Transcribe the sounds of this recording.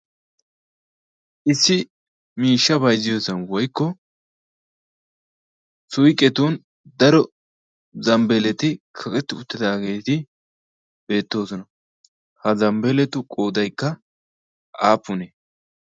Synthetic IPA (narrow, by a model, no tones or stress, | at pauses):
ʔɪsːɪ | miːʃːɐbɐjzɪjoːsɐnwɔjkːɔ | sʊjkʼːɛt̪uːn | d̪ɐɾɔ | zɐmbɛlɛt̪ɪkʰɐkʼɛt̪ːɪʊt̪ːɪd̪aːɡe̞ːt̪ɪ | b̥e̞ːt̪ːo̞ːsɔnɐ | hɐzɐmbɛlɛt̪ʊkʼo̞ːd̪ɐjkːɐ | ʔaːpːʊne